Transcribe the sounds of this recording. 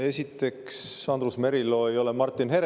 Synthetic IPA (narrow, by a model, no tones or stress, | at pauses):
e̞sʲit̪ːˑe̞ksɑnd̪ɾusme̞ɾilo̞ːejo̞lemɑrt̪ˑːinɦeɾ